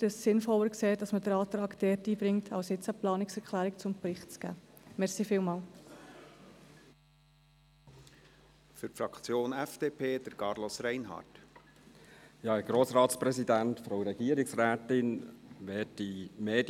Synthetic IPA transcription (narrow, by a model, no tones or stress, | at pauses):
təssɪnfɔləɾkseːd̥ɑsmədəɾɑːt̪ɾɑːkd̥ɛːtiːbɾɪŋtʰɑ̰wsjɪt͡səplɑːnɪksɛɾkʰlæːɾɪk̚t͡sʊmpɾɪχtt͡sɡ̥æ̰ːmɛʁsifiːlmɑːl | fʏɾfɾɑkʰt͡sjoːnɛfd̪̥eːpʰeːd̪̥əɾkɑːɾlosɾæɪnɦɑ̰ːt | jɑːɛɡ̥ɾoːsɾɑːtspɾɛsidæntfɾoʊɾɛɡ̥iːəɾɪksɾæːtɪnʋɛːtdimeːd